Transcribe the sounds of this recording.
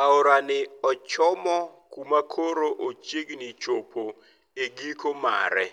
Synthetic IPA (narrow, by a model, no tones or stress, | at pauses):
aoɾanɪɔt͡ʃɔmɔkumakʰoɾoʔot͡ʃeɡnit͡ʃopʰo | eɡikoma̰ɾɛ